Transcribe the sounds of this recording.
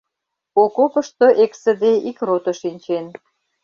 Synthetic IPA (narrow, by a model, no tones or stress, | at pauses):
okopə̆ʃt̪oʔeksə̆d̪eikrot̪oʃinʲt͡ɕen